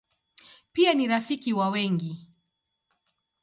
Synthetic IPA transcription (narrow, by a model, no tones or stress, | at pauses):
pianiɾafikiwawɛŋɡi